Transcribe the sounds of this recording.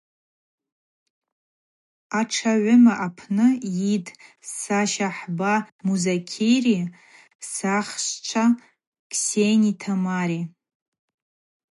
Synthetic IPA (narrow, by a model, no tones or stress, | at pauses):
aʈ͡ʂʰaʕʷʊmaʔapʰnɨjidsaʃaħbamuzakʲʰejri | saχʃt͡ʃʷʰa | kʰsejnitʰamaɾi